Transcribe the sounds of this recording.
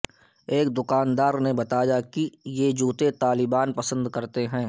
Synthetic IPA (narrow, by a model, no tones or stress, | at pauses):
eːk̚d̪ʊkaːnd̪aːɾnebɐt̪ajakijed͡ʒuːt̪et̪aːlɪbaːnpɐsə̃nd̪kɐɾt̪eɦɛ̃ː